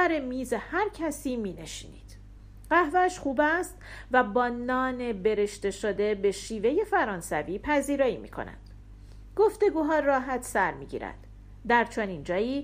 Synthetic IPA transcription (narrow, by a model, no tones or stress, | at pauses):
æɾemiːzehæɾcʰæsiːmiːne̞ʃiːnḭːd̪̥ | ɢæhvæʃχuːbæst̪væbɒːnɒːne̞be̞ɾe̞ʃt̪e̞ʃo̞d̪e̞be̞ʃiːve̞je̞fæɾɒːnsæviːpʰæziːɾɒːimḭkʰo̞̰næ̰nd̪̥ | ɡ̥o̞ft̪e̞ɡuːɦɒːrɒːɦæt̪ʰsæɾmiːɟḭːɾæ̰nd̪̥ | d̪æɾt͡ʃʰo̞niːnd͡ʒɒːjiː